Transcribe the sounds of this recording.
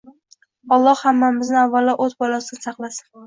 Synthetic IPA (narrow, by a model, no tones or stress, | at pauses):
ɒlˠːɒhhamːamɪznɪavːalːaʔot̪bɒlasɪd̪ʲɪsɑqlˠasɪ̥n